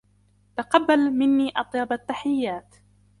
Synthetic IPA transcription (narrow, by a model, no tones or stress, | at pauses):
t̪aqɑbːalmɪnːiːʔɑt̪ˤjɑbat̪ːaħɪjːaːt̪